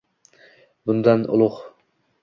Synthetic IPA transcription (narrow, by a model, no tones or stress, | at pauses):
bʊnd̪anʊ̰lˠʊq